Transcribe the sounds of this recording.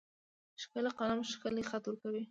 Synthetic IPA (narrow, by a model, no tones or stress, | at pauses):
ʃkəlaqɑnamʃkəlexat̪uɾkawi